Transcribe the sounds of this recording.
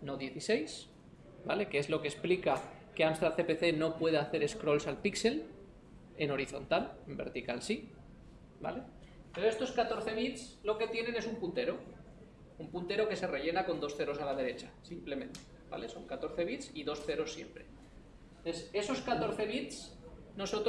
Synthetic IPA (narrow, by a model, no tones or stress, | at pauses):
no̞ðje̞θise̞js | bale̞keezlo̞kesplika | ke̞amst̪ɾaθe̞pe̞θe̞no̞pwe̞ð̞eaθe̞ɾe̞skɾo̞lsalpikse̞l | eno̞ɾiθo̞̰nt̪alembeɾt̪ikalsi | ba̰le̞ | peɾoest̪o̞skat̪o̞ɾθe̞β̞it̪slo̞ke̞t̪je̞nẽ̞ne̞sumpunt̪e̞ɾo̞ | umpunt̪e̞ɾo̞ke̞se̞re̞ʎe̞nako̞nd̪o̞sθe̞ɾo̞salaðe̞ɾe̞t͡ʃḁsimple̞mẽ̞nt̪e̥ | b̥a̰le̞so̞ŋkat̪oɾθe̞β̞it̪siðo̞sθe̞ɾo̞sːje̞̰mpɾe̞ | ese̞so̞skat̪o̞ɾθe̞β̞it̪s | no̞so̞t̪